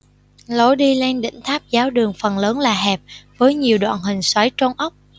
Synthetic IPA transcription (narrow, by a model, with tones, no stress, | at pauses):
lo˨˦ɗi˧le˧nɗḭ̈˧˥ŋ̟t̪ʰaː˦˥p̚zaː˨˦wɗɨ˨˩əŋfə˨˩nləː˨˦nlaː˨˩ɦɛ˨˩p̚vəː˨˦jɲi˨˩əwɗwa̰ː˧˨nɦï˨˩ŋ̟swa˨˦jt͡ɕo˧ŋ͡mʔə˦˥k͡p̚